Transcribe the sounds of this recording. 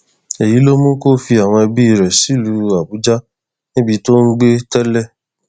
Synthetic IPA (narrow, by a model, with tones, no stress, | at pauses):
e˨ji˨˦lo˦mũ˦ko˦fi˧a˨w̃ɔ̃˧e˧bi˦i˦˨ɾɛ˨si˨˦lu˨˦a˨bu˨˦d͡ʒa˦ | nĩ˦bi˧to˦n̩˦ɡ͡be˦tɛ˦lɛ˦˨